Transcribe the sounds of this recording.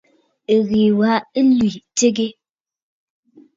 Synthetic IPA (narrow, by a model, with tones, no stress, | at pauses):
ɣi˨wa˨˦lwi˨te˦ɡe˦